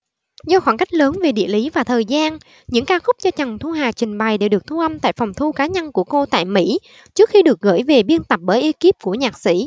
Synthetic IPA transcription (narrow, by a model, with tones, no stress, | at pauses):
zɔ˧xɔ˧˩nka˦˥jk̟̚ləː˨˦nve˨˩ɗḭ˧˨əli˨˦vaː˨˩t̪ʰəː˨˩jzaː˧n | ɲɨ̰˧˥ŋkaː˧xʊ˦˥k͡p̚t͡ɕɔ˧t͡ɕə˨˩ŋt̪ʰu˧ɦaː˨˩t͡ɕï˨˩ŋ̟ɓa˨˩jɗe˧˩ɗɨ˨˩ək̚t̪ʰu˧ʔa˧mt̪a̰ː˧˨jfɔ˨˩wŋ͡mt̪ʰu˧kaː˨˦ɲə˧nku˧˩əko˧t̪a̰ː˧˨jmḭ˧˥ | t͡ɕɨ˦˥ək̚xi˧ɗɨ˨˩ək̚ɣə̰ː˧˥˩jve˨˩ɓi˧ənt̪ə˨˩p̚ɓəː˧˩˦jʔi˧ki˦˥p̚ku˧˩əɲaː˨˩k̚sḭ˧˥